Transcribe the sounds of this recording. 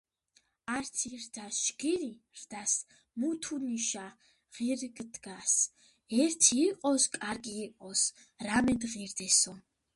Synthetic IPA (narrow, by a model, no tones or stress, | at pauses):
art̪ʰird̪aʃɡiɾi | rd̪as | mut̪ʰuniʃa | ʁ̥irɡɨd̪ɡas | ɛrt̪ʰiːqʼɔskʼarɡʼiːqʼɔs | ramɛd̪ʁird̪ɛsɔ